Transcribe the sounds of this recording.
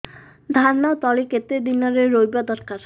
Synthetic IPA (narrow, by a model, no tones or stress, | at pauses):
d̪ʱaɾnaot̪ɔliket̪ed̪inaɾeːojbad̪ɔɾkaɾ